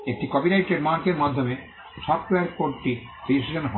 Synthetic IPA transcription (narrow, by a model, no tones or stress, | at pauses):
ek̚ʈikɔbinajʈeɖmaɾkeɾmad̪ʱːome | ʃɔfʈoeaɾkoɾʈi | ɾisid͡ʑonɦɔ